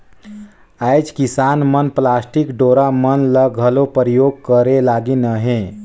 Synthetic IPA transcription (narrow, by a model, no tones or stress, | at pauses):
ajd͡ʒkisanmənplasʈikɖoɾamənləɡʱəlopəɾijoɡ̚kəɾelaɡinəɦẽ